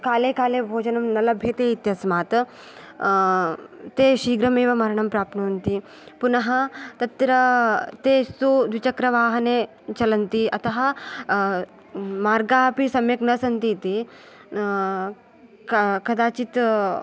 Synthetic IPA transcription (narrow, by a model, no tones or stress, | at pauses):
kaːlekaːlebʱoːd͡ʒɐnɐmnɐlɐbʱjet̪eit̪jɐsmat̪ | t̪eɕiːɡɾɐmeʋɐmɐɾɳɐmpɾaːp̚t̪nɐnt̪i | punɐɦɐt̪ɐt̪ɾɐt̪etud̪ʋit͡ɕɐkɾɐʋaːɦɐne | t͡ʃɐlɐnt̪iʔɐt̪ɐɦɐ | maːɾɡapisɐmjeknɐsɐnt̪it̪i | kkɐd̪aːt͡ɕiːt̪